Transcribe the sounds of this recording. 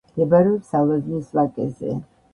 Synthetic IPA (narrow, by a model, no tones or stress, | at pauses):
ɡɛbaɾɛɔsalaznisvakʼɛ̰zɛ̰